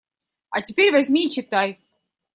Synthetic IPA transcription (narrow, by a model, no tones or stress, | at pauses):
a̰t̪ʲipʲiɾʲvazʲmʲiːt͡ʃit̪aj